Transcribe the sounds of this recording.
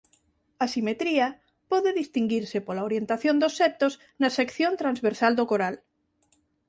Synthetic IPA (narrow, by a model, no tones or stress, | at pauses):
asimet̪ɾiɐ | pɔðɪðist̪iŋɡiɾsɪpolaoɾjent̪aθjond̪osːɛt̪oz | nɐsekθjont̪ɾanzβeɾsald̪okoɾal